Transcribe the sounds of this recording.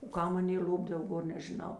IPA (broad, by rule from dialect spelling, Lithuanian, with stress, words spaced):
oː ˈkɐm ˈɑːˌnʲeː ˈlʲoːbdɐw ˈɡoːr nʲɛʒʲɪˈnɐʊ